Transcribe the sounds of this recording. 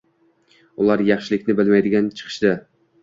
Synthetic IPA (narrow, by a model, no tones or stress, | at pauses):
ʊlˠaɾjɑχʃɪlɪkʲnɪbɪlmajd̪ɪɡʲant͡ʃʰɨ̥qʰɨ̥ʃd̪ɪ